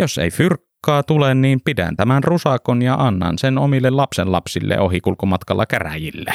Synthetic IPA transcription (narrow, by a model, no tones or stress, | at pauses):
josḛifyrkːɑːt̪ulenniːmpidæ̰nt̪æmænrusɑkonjɑʔɑnːɑ̰nsenomilːellɑpsenlɑ̰psilːḛʔohikulkomɑt̪kɑlːɑkæræ̰jilːe